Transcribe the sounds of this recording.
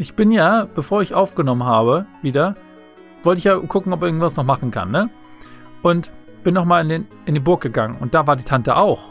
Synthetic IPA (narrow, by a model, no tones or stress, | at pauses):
ʔɪçb̥ɪnjaːb̥əfoːɐɪçʔaʊfɡ̥ənɔmənɦaːβəviːdɐ | v̥ɔltəɪçjaːkʰʊkŋ̩ɔpɛɪɐɡŋ̩tvasnɔχmaχn̩kʰa̰nːə | ʔʊnt | b̥ɪnːɔχmaːlɪnden | ɪndiːbʊɐk̚ɡ̥əɡaŋənʊ̰nt̚d̥aːvaːɐdiːtʰantəʔaʊx